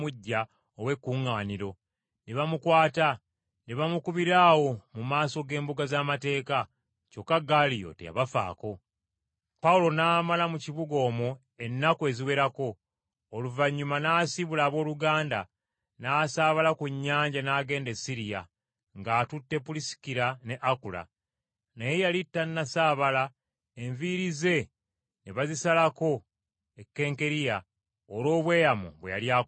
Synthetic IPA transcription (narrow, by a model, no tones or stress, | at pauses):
uɟːa | owe̞kːuːŋaːniɾo̞ | neβamukwaːta | neβamukuβiɾaːwo̞mumaːso̞ɡe̞ːmbuɡazaːmate̞ːka | co̞kːaɡalijo̰tḛja̰βafa̰ːko̞ | paulo̞naːmalamuciβuɡo̞ːmu | e̞nːakoe̞ːziwe̞ɾako̞ː | luvaɲːumanaːsiβulaːβo̞ːluɡaːnda | naːsaːβalakuɲːaːɲɟanaːɡe̞ːndesiɾija̰ | ŋɡaːtutːe̞pulisi̥kiɾane̞ʔakula̰ | nejejalitːanːasaːβala | e̞ɱviɾize̞ | neβazisalako̞ | ekːe̞ːŋke̞ɾija | olo̞ːβwe̞ːjamṵβweja̰ljaː